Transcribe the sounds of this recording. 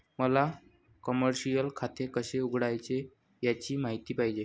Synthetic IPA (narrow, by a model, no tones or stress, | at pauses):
məla | kəməɾɕijəlkʰat̪ekəɕeuɡʱɽajt͡ɕe | jat͡ɕiːmaɦit̪iːpaɦid͡ʑe